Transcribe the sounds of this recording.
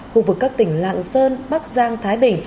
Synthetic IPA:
xu˧vɨ˨˩kːaː˦˥k̚t̪ï˧˩ŋ̟la̰ː˧˨ŋsəː˧nɓa˦˥k̚zaː˧ŋt̪ʰaː˨˦jɓï˧˩ŋ̟

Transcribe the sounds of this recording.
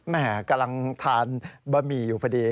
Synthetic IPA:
mɛː˧˩ka˧mla˧ŋt̪ʰaː˧nbaː˧miː˧˩juː˨˩pʰa˧diː˧

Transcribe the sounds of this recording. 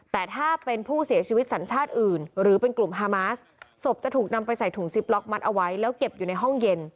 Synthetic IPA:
t̪ɛː˨˩t̪ʰaː˥˩pe˧npʰuː˥˩si˨˩˦ɐt͡ɕʰiː˧wi˦˥t̪̚sa˩˦nt͡ɕʰaː˥˩t̪̚ʔɯː˨˩nɾɯː˩˦pe˧nklu˨˩mɦaː˧maː˦˥s | so˨˩p̚t͡ɕa˨˩t̪ʰuː˨˩k̚na˧mpa˧jsa˨˩jt̪ʰu˨˩˦ŋsi˨˦˥p̚lɔ˦˥k̚ma˦˥t̪̚ʔa˧wa˦˥jlɛː˦˥wke˨˩p̚juː˨˩na˧jɦɔ˥˩ŋje˧n

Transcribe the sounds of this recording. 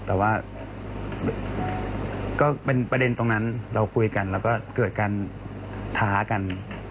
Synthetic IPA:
t̪ɛː˨˩waː˥˩ | kɔː˥˩pe˧npɾa˧de˧nt̪o˧ŋna˦˥nɾa˧wkʰu˧jka˧nlɛː˦˥wkɔː˥˩kɤː˨˩t̪̚kaː˧n | t̪ʰaː˦˥ka˧n

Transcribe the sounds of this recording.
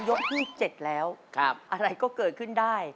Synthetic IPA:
jo˦˥k̚pi˥˩k̚t͡ɕe˨˩t̪̚lɛː˦˥wkʰa˧˩p̚ʔa˧ɾa˧jkɔː˥˩kɤː˨˩t̪̚kʰɯ˥˩ndaː˥˩j

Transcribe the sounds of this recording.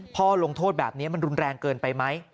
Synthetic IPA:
pʰɔː˥˩lo˧ŋt̪ʰoː˥˩t̪̚bɛː˨˩p̚ni˦˥ɐma˧nɾu˧nɾɛː˧ŋkɤː˧npa˧jma˦˥j

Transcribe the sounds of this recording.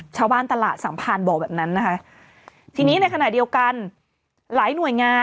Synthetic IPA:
t͡ɕʰaː˧wbaː˥˩nt̪a˧laː˨˩t̪̚sa˩˦mpʰaː˧nbɔː˨˩bɛː˨˩p̚na˦˥nːa˦˥kʰa˦˥ʔ | t̪ʰiː˧niː˦˥na˧jkʰa˧naː˨˩di˧əwka˧n | laː˩˦jnu˨˩əjŋaː˧

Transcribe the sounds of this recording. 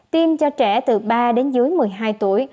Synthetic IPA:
t̪i˧mt͡ɕɔ˧t͡ɕɛ˧˩t̪ɨ˨˩ɓaː˧ɗe˨˦nzɨ˨˦əjmɨ˨˩əjɦaː˧jt̪u˧˩əj

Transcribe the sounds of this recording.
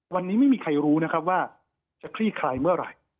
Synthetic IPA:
wa˧nːiː˦˥ma˥˩jmiː˧kʰa˧jɾuː˦˥na˦˥kʰa˦˥p̚waː˥˩ | t͡ɕa˨˩kʰɾiː˥˩kʰɾaː˧jmɯ˥˩ɐɾa̰˧˩j

